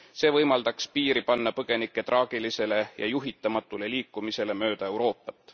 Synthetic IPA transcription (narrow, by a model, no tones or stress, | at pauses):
se̞ːvɤjmɑld̪̥ɑkspiːɾipɑnːɑpɤɡ̥e̞nikːˑe̞t̪rʔɑːɡ̥ilise̞le̞jʔɑ̰juɦit̪ːˑɑmɑt̪ːˑuleliːkːˑumise̞le̞mø̞ːd̪̥ɑe̞wɾo̞ːpːˑɑt̪ːˑ